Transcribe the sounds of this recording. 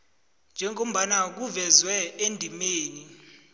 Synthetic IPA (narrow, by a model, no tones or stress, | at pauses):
nd͡ʒʱɛŋom̩ɓanak̬uvɛzwɛendʱimeːni